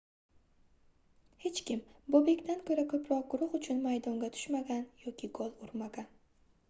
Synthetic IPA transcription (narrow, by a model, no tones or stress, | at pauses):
he̞t͡ʃkʲɪmbobe̞kʲt̪ankʰɵɾakʰɵpʰɾɒq̚ɡʊɾʊχʊt͡ʃʰʊnmajd̪ɒŋɡʲat̪ʰʊ̥ʃmaɡʲanjɒkʲɪɡɒlˠʊɾmaɡʲan